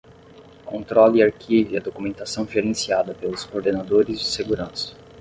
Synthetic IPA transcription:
kõnt̪ɾɔliaɾkʰiviɐd̪okumẽnt̪asɐ̃w̃ʒeɾẽsiad̪ɐpelʊskoɾd̪enad̪oɾɪzd͡ʒɪseɡuɾɐ̃sɐ̥

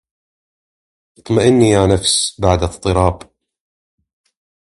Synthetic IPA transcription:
ɨt̪ˤmaʔɪnːijanafsbaʕd̪ɨt̪ˤːɨɾˤɑːb

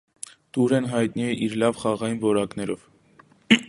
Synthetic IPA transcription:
t̪uɾɛnɦɑjt̪̚niɛʔiɾlɑvχɑʁɑjinvɔɾɑkn̪ɛɾɔv

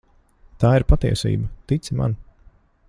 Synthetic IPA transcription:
t̪aːiɾpat̪iɛsḭːbɐt̪it̪sima̰n

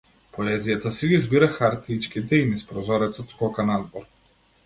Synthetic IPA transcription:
pɔɛzijat̪asiɡizbiɾaxaɾt̪it͡ʃkit̪ɛinispɾɔzɔɾɛt̪sɔt̪skɔkanad̪bɔɾ

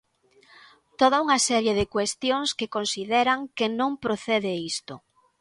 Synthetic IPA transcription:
t̪oð̞auŋasɛɾjeðɪkwest̪jõŋskekonsiðɛɾaŋkenõŋpɾoθeðeist̪o

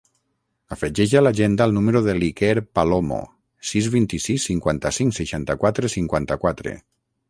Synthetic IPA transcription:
afeʒeʒalaʒend̪aːlˠnumeɾoðelikeɾpalomo̰ | sizβint̪isisːiŋkwant̪asiŋseʃant̪akwat̪ɾesiŋkwant̪akwat̪ɾḛ

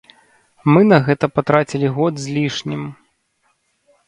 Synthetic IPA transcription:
mɨnɐɣɛt̪ɐpat̪ɾat͡sʲilʲiɣɔd̪zʲlʲiʂnʲim

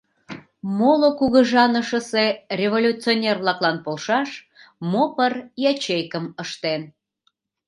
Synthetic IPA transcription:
molokuɣəʒɑnəʃəse̽rʲevolʲut͡sionʲerβlɑklɑnpolʃɑʃ | mopərjɑt͡ɕejkəməʃt̪en

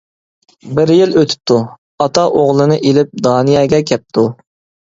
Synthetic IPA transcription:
bɪɾjiløt̪ʰy̥p̚t̪ʰu | ɑt̪ɑʔoʁlˠɨnɨʔelɪp̚d̪ɑːnɨjɑːɡʲɛkʲʰɛp̚t̪ʰu

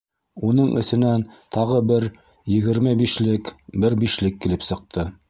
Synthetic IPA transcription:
unɤɴʔɘ̆sɘ̆nænt̪ʰɑʁɤbɘɾ | jɘ̆ɡɘ̆ɾmɘbiʃlɘkbɘɾbiʃlɘkːilɘpsɤ̆q̚t̪ʰɤ

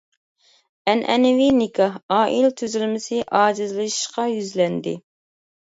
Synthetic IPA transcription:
ɛnʔɛ̰nɪvinɪkʰɑɑːʔilt̪ʰyzylmɪsɪʔɑːd͡ʒɨzlɨʃi̥ʃqɑjyzlɛnd̪ɪ

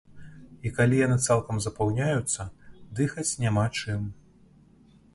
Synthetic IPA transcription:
ikalʲijanɨt̪salˠkɐmzɐpawnʲajut̪sːɐd̪ɨxɐt͡sʲnʲamat͡ʂɨm

